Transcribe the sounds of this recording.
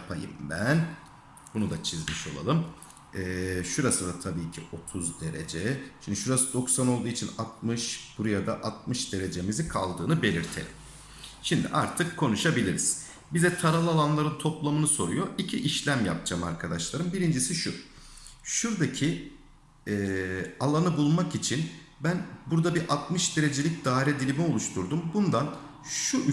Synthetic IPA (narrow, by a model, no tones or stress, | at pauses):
japʰajɯ̰mbæn | b̥unud̪at͡ʃʰizmiʃo̞̰lˠa̰lˠɯm | ɛːʃuɾasɯd̪at̪ʰabiːcʰio̞t̪ʰuzd̪e̞ɾe̞̰d͡ʒɛʃimd̪iʃuɾasɯd̪o̞ksano̞lˠd̪uːit͡ʃʰinat̪̚mɯʃb̥uɾujad̪aʔat̪̚mɯʃd̪e̞ɾe̞d͡ʒe̞mizikʰalˠd̪ɯːnɯbe̞lʲiɾt̪ʰe̞̰lʲḭm | ʃimd̪ḭʔaɾt̪ʰɯkːʰo̞nuʃabilʲiɾiz̥ | bizɛt̪ʰaɾalˠɯalˠanlˠaɾɯnt̪ʰo̞plˠamɯnɯso̞ɾujoʔicʰiʔiʃlʲæmja̰p̚d͡ʒama̰ɾkʰad̪aʃlˠaɾɯmbiɾind͡ʒisiʃu | ʃuɾd̪acʰi | ɛalˠanɯbulˠmakit͡ʃʰin | bænbuɾd̪abiʔat̪mɯʃd̪e̞ɾe̞d͡ʒe̞lʲic̚d̪aːɾɛd̪ilʲimio̞lˠuʃt̪ʰuɾd̪umbund̪an | ʃu